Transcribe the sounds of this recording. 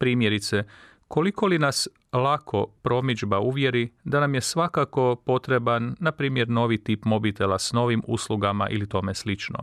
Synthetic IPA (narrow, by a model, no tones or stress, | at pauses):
pɾiːmje̞ɾit̪se | ko̞liko̞linas | lˠakʰo̞pɾo̞mid͡ʒbauʋje̞ɾid̪anamje̞sʋakako̞po̞t̪ɾe̞banːapɾiːmje̞ɾno̞ːʋit̪ipmo̞bit̪e̞lasno̞ʋimṵslˠuɡama̰ʔḭlit̪o̞me̞slit͡ʃno̰